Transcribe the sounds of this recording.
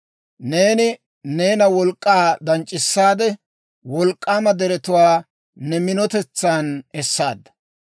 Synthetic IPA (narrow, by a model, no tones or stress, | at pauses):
ne̞ːnɪ | ne̞ːnɐwɔlkʼːaːd̪ɐnt͡ʃʼːɪsːaːd̪ɛ | wɔlkʼːaːmɐd̪ɛɾɛt̪ʊwaː | nɛmɪnɔt̪ɛt͡sːaːnɛsːaːd̪ːɐ̥